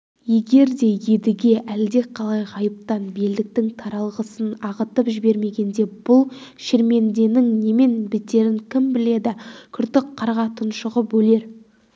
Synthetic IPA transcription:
je̞ɡʲe̞ɾd̪e̞je̞d̪ɪɡʲe̞ʔæld̪e̞qʰɑlˠɑjqɑjəp̚t̪ɑnbe̞ld̪ɪk̚t̪ɪŋt̪ʰɑɾɑlˠʁəsənɑʁət̪əpʒɪbe̞ɾme̞ɡʲe̞nd̪e̞b̥ʊlˠʃeɾme̞nd̪e̞nɪŋne̞me̞nbɪt̪ːe̞ɾɪŋkʲʰɪmbɪle̞d̪ɪkʲʰʏɾt̪ɪk̚qʰɑɾʁɑt̪ʰənʃəʁəbɵle̞ɾ

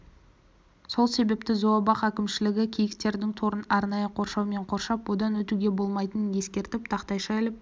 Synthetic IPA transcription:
so̞lˠse̞be̞pt̪ɪzowɑbɑqækʲɪmʃɪlɪɡʲɪkʲʰijɪkt̪e̞ɾd̪ɪŋt̪ʰo̞ɾənɑɾnɑjəqʰo̞ɾʃɑwme̞ɴqʰo̞ɾʃɑpwo̞d̪ɑnwɵt̪uɡʲe̞bo̞lˠmɑjt̪ənəje̞skʲe̞ɾt̪ɪp̚t̪ʰɑqt̪ɑjʃɑelɪp̚

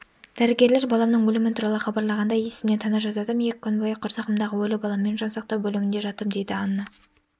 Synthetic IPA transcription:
d̪̥æɾɪɡʲe̞ɾle̞ɾbɑlˠɑmnəɴwɵlɪmɪnt̪ʰuɾɑlˠəχɑbɑɾlˠɑʁɑnd̪ɑje̞sɪmne̞nt̪ʰɑnɑʒɑt̪ɑd̪əmjekʲkʰʲːʏnbojɑqʰːʊɾsɑqəmd̪ɑʁəwɵlɪbɑlˠɑmːe̞nʒonsɑq̚t̪ɑwbɵlɪmɪnd̪e̞ʒɑt̪əmd̪e̞jd̪ɪɑnːə

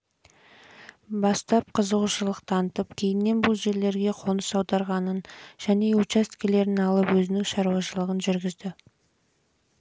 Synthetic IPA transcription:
bɑst̪ɑp̚qʰəzəʁuʃəlˠəq̚t̪ʰɑnət̪əpkʲʰe̞jɪnːe̞nbʊlˠʒe̞ɾle̞ɾɡʲe̞qʰo̞nəsɑwd̪ɑɾʁɑnənʒ̥æne̞ut͡ʃast̪kʲele̞ɾɪɪnɑlˠəpwɵzɪnɪŋʃɑɾuwɑʃəlˠəʁənʒʏɾɡʲɪzd̪ɪ

